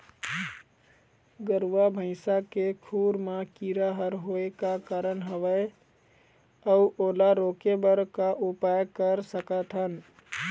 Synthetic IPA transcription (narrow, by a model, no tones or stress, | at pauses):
ɡəɾwabʱə̃ɪsakekʰuɾmakiɾaɦəɾɦoekakaɾənɦəʋə | əuʔolaɾokebəɾkaʔupajkəɾsəkət̪ʰɦən